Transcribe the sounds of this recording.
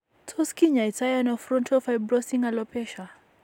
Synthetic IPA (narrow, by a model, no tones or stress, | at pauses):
tʰɔskiɲaitajanɔfɾɔntʰɔfajbɾɔsiŋalɔpɛʃa